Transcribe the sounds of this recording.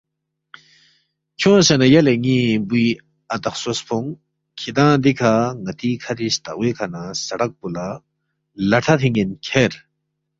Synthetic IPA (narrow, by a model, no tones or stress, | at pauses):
kʰõsanajaleŋibui | at̪ɐχsospʰoŋ | kʰid̪ãːd̪ikʰaŋɐt̪ikʰaɾist̪aʔwekʰanasɐɽak̚pula | lɐʈʰat̪ʰiŋenkʰeɾ